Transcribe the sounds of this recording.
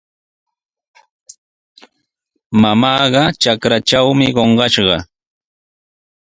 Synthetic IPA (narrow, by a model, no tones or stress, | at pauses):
mamɑːɢɑt͡ʃakɾat͡ʃawmɪɢoɴɢɑʃɢɑ